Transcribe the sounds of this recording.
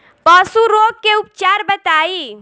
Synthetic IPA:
pəsuɾoɡkːeup̚t͡ʃaɾbət̪aːi

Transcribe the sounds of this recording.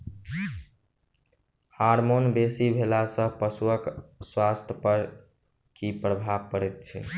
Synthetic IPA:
haɾmonbesibʱelasə̃pəsuəkswast̪ʰjəpəɾ | kipɾəbʱabkəɾɛt̪̚t͡ʃʰḭ

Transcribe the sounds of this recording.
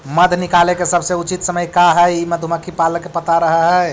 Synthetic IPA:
məd̪ʱnikalekesəbʱsẽut͡ʃit̪səməjkaɦəiməd̪ʱuməkʰːipaləkːepət̪aɾəɦəɦɛ

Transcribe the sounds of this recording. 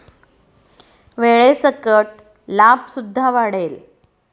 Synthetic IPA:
ʋeɭesəkəʈ̚ | lapsud̪ʱːaʋaɽel

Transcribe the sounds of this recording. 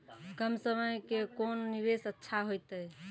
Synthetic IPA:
kəmsəməjkekonːiʋesətːʃʰaɦojt̪əj

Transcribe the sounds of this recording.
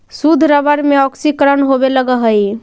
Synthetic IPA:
sud̪ʱɾəbəɾmeɔksikɾənɦobeləɡəɦəj

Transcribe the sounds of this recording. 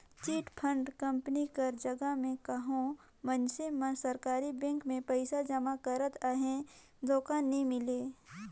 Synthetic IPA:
t͡ʃiːʈpʰə̃ɳɖkɐ̃mpənikɐɾd͡ʒɐɡəmẽkɐɦõ | mənsemə̃sɐɾkaːɾibɛ̃ːŋkmẽpəɪsad͡ʒɐmakəɾət̪aɦẽ | d̪oːkaːnːɐɦĩmɪleː

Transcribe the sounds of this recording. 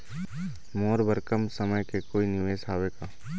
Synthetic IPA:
moːɾbəɾkəmsɐməjkekoːinɪʋeːsaːʋeːɡaː

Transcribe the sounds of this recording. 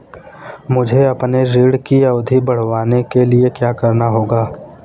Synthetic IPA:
mʊd͡ʒʱeɐpneɾiːɽkiɐːd̪ʱibɐɽ̤ʋaːnekeliekjaːkɐɾnaɦoːɡaː

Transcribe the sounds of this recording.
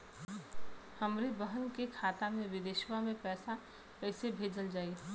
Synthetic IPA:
həmɾebəɦənkekʰaːt̪amẽʋɪd̪eːʃʋamẽpɛːsa | kɛːsebʱeːd͡ʒəld͡ʒaːi

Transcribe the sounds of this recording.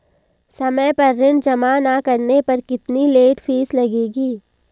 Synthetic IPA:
sɐməjpɐɾːɪɳɖd͡ʒɐmanakɐɾnepɐɾkɪt̪nileːʈfʰiːslɐɡeːɡiː

